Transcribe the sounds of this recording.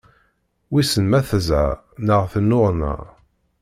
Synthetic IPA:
wisənmæθəzʕa̰ | nəʁθənːʊʁnə̰

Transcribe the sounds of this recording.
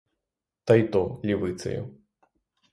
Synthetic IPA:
t̪ɐjt̪ɔlʲivɨt̪sɐ̰jṵ

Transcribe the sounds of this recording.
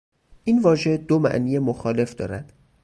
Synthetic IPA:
ʔiːnvɒːʒe̞d̪omæ̰ʔniːjemoxɒːle̞fd̪ɒ̰ːɾæd̪̥

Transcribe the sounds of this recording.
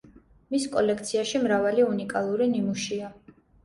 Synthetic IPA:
miskʼɔlɛk̚ʰt̪sʰiaʃimɾavaliunikʼalˠuɾinimuʃia

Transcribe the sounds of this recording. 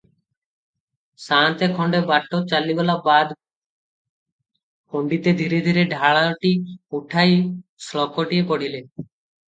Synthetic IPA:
sant̪ekʰɔɳɖebaʈːot͡ɕalibɔlabad̪ | hoɳɖit̪ed̪ʱiɾed̪ʱiɾeɖʱaɭaʈiuʈʰajslɔkoʈiepoɽ̤ile

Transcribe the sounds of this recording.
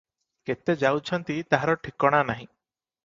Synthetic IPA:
ket̪ed͡ʒawt͡ʃʰɔnt̪it̪aɦaɾɔʈʰikɔɽ̃anaɦĩ

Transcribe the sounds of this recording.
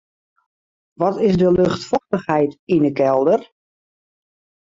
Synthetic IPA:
ʋɔtɪzdəlɵxtfɔxtəxɦɛjtinəkɛlˠdər

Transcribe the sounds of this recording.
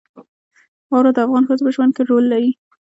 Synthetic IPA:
wɑwɾad̪əafɣɑnxəzopəʒwand̪̚keɾolːaɾi

